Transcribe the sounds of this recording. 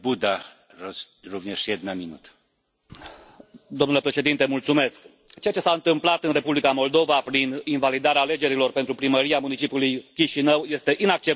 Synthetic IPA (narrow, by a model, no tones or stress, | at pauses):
bud̪a | rovɲeʂjɛd̪namʲinṵt̪ə̥ | d̪o̞mnule̞pɾe̞ʃe̞d̪int̪emult̪sume̞sk | t͡ʃe̞jat͡ʃe̞saɨnt̪ɨmplat̪ɨnre̞publikamo̞ld̪o̞vapɾininvalid̪aɾeaːle̞d͡ʒe̞ɾilo̞rpe̞nt̪ɾupɾiməɾiamunit͡ʃipʲjulujkʲiʃinəwje̞st̪e̞ʔinak̚t͡ʃe̞